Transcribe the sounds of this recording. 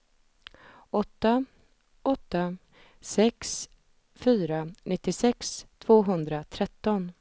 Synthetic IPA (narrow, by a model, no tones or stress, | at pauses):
ɔt̪ːa | ɔt̪ːa | sɛks | fyːɾanɪt̪ːɪsɛkst̪ʰv̥oːɦɵnd̪ɾat̪ʰɾɛt̪ːɔn